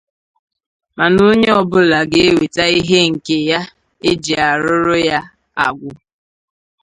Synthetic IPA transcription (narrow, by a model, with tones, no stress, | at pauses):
ma˨no˦ɲe˦ɔ˦bʊ˦la˨ɡe˦e˦we˨ta˦i˦ɦe˦ŋ̩˨ke˨ja˦ | e˦d͡ʒi˨a˨ɾʊ˦ɾʊ˦ja˦ | a̰˨ɡʷʊ˦